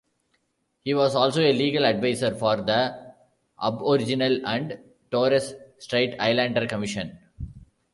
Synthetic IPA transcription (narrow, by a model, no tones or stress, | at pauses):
hiːʋɔːzɔːlsoːeliːɡəlɐɖʋaɪsəɾfɔːɾd̪ə | ʔʌ̰bɔɾɪd͡ʒɪnəlæ̃ɳɖ | ʈoːɾessʈɾeɪʈa̰ɪlæ̃ɳɖəɾkəmɪʃə̃n